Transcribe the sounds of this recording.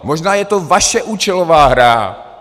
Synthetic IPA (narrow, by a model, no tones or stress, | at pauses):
moʒnaːjɛt̪ovaʃɛʔuːt͡ʃɛlovaːɦɾa̰